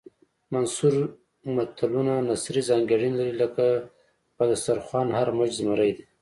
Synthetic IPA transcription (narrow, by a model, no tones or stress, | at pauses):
mansuɾ | mat̪alunanasɾizɑŋɡaɽinlaɾiləka | pad̪asaɾxwɑːnhaɾmad͡ʒzmaɾajd̪e